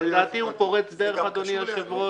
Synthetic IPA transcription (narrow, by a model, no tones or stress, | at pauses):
ed̪aːt̪iũpoʁet͡sd̪eʁeχad̪oniaʃevʁo